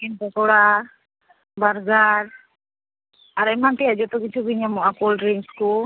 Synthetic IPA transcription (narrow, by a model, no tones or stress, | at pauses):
kinpɔkɔɽa | baɾɡaɾ | aɾɛmanʈiad͡ʒɔt̪ɔkit͡ʃʰubiɲamɔʔakolɖɾiŋsku